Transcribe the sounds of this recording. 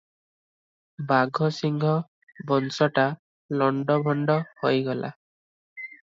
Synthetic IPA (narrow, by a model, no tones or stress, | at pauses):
baɡʱɔsiŋɡʱɔ | bɔnsɔʈa | lɔɳɖɔbʱɔɳɖɔhojɡɔla̰